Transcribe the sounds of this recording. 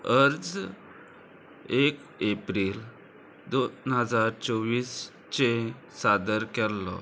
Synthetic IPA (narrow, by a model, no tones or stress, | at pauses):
əɾd͡z | ek | epɾil | d̪onɦəd͡zaɾt͡sɔʋiːs | t͡ɕe | sad̪əɾkɛllɔ̰